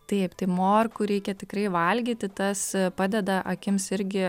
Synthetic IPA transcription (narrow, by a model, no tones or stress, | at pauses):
t̪ɐɪpt̪ɐɪmoːrkuɾʲɛɪkʲɛt̪ʲɪkɾɐɪʋɐlʲɡʲiːt̪ʲɪt̪ɐspɑːd̪ʲɛd̪ɐʔɐkʲɪmsɪɾʲɡʲɪ